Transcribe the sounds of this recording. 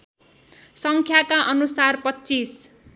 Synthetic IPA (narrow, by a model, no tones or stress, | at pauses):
sʌŋkʰjakaʔʌnusarpʌːt͡sis